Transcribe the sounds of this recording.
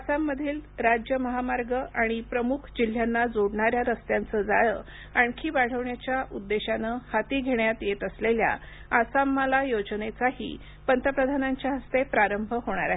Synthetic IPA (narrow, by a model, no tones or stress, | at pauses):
asamːəd̪ʱiːlɾad͡ʑjəməɦamaɾɡəʔaɽ̃ipɾəmukʰd͡ʑil̤ːjanːad͡zoɽɳaɾjaɾəst̪jant͡səd͡zajə | aɳkʰiːbaɽ̤əʋɳjat͡ɕjaʔud̪ːeɕanəhat̪iːɡʱeɳjat̪jet̪əslelja̰ | asamːəlajod͡znet͡saɦḭː | pənt̪əpɾəd̪ʱanaɲt͡ɕjaɦəst̪epɾaɾəmbʱəɦoɽ̃aɾaɦe